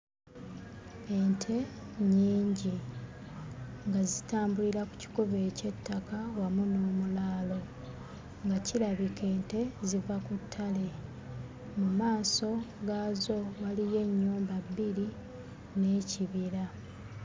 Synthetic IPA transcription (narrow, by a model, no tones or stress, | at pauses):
e̞ntʰe̞ɲiːɲɟi | ŋɡazitaːmbuliɾaku̥ci̥kuβe̞ːce̞tʰːakawamuno̞ːmulaːlo̞ | ŋɡacilaβike̞ːnte̞zivakutʰːale̞ | mumaːso̞ɡaːzo̞walije̞ɲːuːmbabːiɾi | ne̞ːciβiɾa